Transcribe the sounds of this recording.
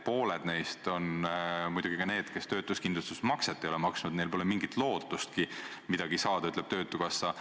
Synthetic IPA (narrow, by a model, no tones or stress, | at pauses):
po̞ːle̞d̪̥ne̞jst̪o̞nmujd̪uɡ̥ikɑne̞ːd̪̥ke̞st̪ø̞ːt̪ːˑuskind̪lust̪usmɑkset̪ːejo̞lemɑksnud̪ne̞jlpo̞lemiŋɡ̥it̪ˑlo̞ːt̪ːˑust̪kimid̪̥ɑɡ̥isɑːd̪ɑyt̪lɛ̞b̥t̪øːt̪ːˑukɑsːɑ